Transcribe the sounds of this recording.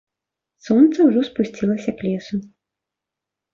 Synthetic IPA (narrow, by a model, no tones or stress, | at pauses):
sɔnt̪sɐwʐɔspusʲt͡sʲilˠɐsʲɐklʲɛsu